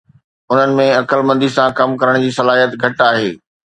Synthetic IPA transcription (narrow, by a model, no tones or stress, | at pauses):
ʊn̤ənɪ̆mẽɐkəlmɐ̃nd̪isãkɐmkɐɾəɽ̃d͡ʑiːsɐlaːɦijət̪ɡʱɐʈaːɦeː